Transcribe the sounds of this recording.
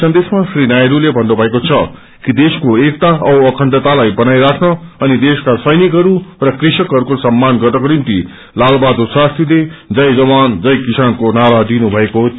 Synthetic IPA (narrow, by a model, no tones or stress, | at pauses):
sʌnd̪esmasrinajɾulebʱʌnːubʱʌekot͡sʰʌ | kid̪eskoek̚t̪aʌʌkʰʌɳɖʌt̪alajbʌnajɾakʰnʌʌnid̪eskasʌjnikɦʌɾurʌkrisʌkɦʌɾukosʌmːanɡʌt̪ʌkɾimt̪i | lalbad̪oswast̪riled͡zʌjd͡zʌband͡zʌjkisankonaɾad̪inubʱʌeko